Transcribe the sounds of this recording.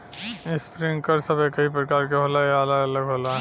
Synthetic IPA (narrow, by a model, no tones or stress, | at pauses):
ɪspɾɪ̃ŋɡkɐɾsɐbekɐɦipɾɐkaːɾk̬eɦoːlajaɐləɡɐləɡɦoːla